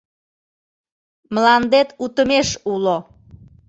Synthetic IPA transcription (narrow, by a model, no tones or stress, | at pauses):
mlɑnd̪et̪ut̪əmeʃulo